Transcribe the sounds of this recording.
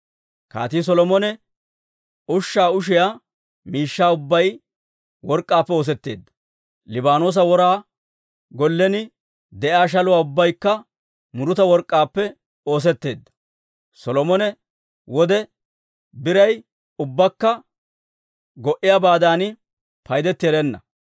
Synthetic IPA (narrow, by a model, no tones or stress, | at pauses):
ka̰ːt̪iːs̬ɔlɔmɔnɛ | ʊʃːaːʊʃ̬ɪjaː | miːʃːaːʊbːɐj | wɔɾkʼːaːpːɛo̞ːs̬ɛt̪ːe̞̰ːd̪ːɐ̥ | lɪbaːno̞ːs̬ɐwɔɾaː | ɡɔlːɛnɪ | d̪ɛʔaːʃ̬ɐlʊwaːʊbːɐjkːɐ | mʊɾʊt̪ɐwɔɾkʼːaːpːɛ | o̞ːs̬ɛt̪ːe̞ːd̪ːɐ̥ | sɔlɔmɔnɛ | wɔd̪ɛ | bɪɾɐj | ʊbːɐkːɐ | ɡɔʔɪjabaːd̪aːnɪ | pɐjd̪ɛt̪ːɪɛɾɛnːɐ̰